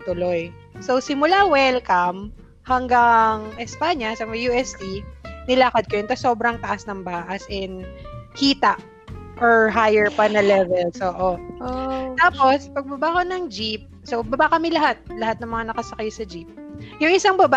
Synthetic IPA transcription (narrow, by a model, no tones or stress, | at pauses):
t̪ʊlo̞j | sowsɪmʊlawɛlkɐm | hɐŋɡaŋʔɛspaɲɐsɐmjuːɛst̪inɪlaːkɐd̪̚kɐjɛnt̪ɐso̞ːbɾɐŋt̪ɐʔasnɐŋbaːʔɐsʔɛnkiːt̪ɐʔ | ʔoɹɦajɛɹpɐnɐlɛvɛlsʔoːʔo | t̪aːpo̞spɐɡ̚bɐbakonɐŋd͡ʒip̚sobɐbakɐmɪlɐɦat̪̚lɐɦat̪̚nɐŋmɐŋanɐkɐsɐkɐjsɐd͡ʒip̚jʊŋʔɪsaŋbɐba